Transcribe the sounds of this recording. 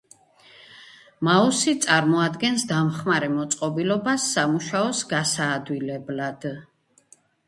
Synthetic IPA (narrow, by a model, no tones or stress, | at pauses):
mausit̪sʼaɾmɔad̪ɡɛnsd̪amχmaɾɛmɔt̪sʼqʼɔbilɔbasːamuʃaɔsɡasaːd̪wilɛblad̪̥